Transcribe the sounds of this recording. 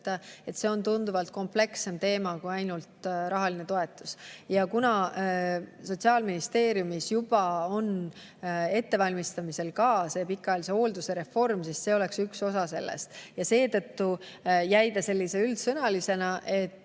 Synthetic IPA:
t̪ːɑe̞t̪ːse̞o̞nt̪und̪uvɑlt̪̚ko̞mple̞kse̞mt̪e̞ːmɑkuɑjnult̪ɾɑɦɑline̞t̪o̞e̞t̪ˑːu̥sjɑkunɑ | so̞t̪ʲsiɑːlminist̪e̞ːɾjumisjub̥ɑo̞n | e̞t̪ːe̞vɑlʲmist̪ɑmise̞lkɑːse̞ːpikːˑɑjːlis̬e̞o̞ːld̪use̞ɾe̞fo̞rmsisse̞ːo̞le̞ksykso̞sɑse̞̰lːḛst̪jɑse̞ːt̪ɤ̞t̪ːujæjd̪̥ɑse̞lːise̞yld̪sɤnɑlise̞nɑʔe̞t̪ːˑ

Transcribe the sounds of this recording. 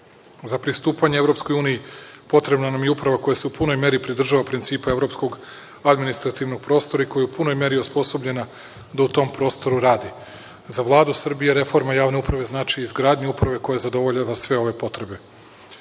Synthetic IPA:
zapɾist̪uːpaɲeevɾo̞psko̞juːnijipo̞t̪ɾe̞bnanamjeupɾaʋako̞jase̞upuno̞jme̞ɾipɾid̪r̩ʒaʋapɾint̪siːpae̞vɾo̞psko̞ɡ | ad̪minist̪ɾat̪iʋnoɡ̚pɾo̞st̪o̞ɾaiko̞jeupuno̞jme̞ɾijuspo̞so̞bʎe̞na | d̪aut̪o̞mpɾo̞ːst̪o̞ɾuɾaːd̪i | zaʋlˠaːd̪usr̩bijeɾe̞fo̞ɾmajaːʋne̞upɾaʋe̞znaːt͡ʃiizɡɾaːd̪ɲeupɾaʋe̞ko̞jazad̪o̞ʋo̞ʎaʋasʋe̞o̞ʋe̞po̞t̪ɾe̞be̞

